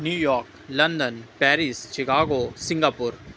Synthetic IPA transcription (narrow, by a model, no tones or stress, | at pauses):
njuːjɔːɾk | lɐ̃nd̪ənpɛːɾɪst͡ʃɪkaːɡosɪ̃ŋɡaːpʊɾ